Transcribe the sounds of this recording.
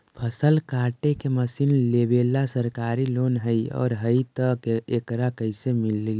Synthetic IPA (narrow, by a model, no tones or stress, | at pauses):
pʰəsəlkaːʈekeməsiːnlebeːlasəɾkaːɾiloːnɦəiɔ̰ːɾɦəit̪əkekɾakəɪsemilː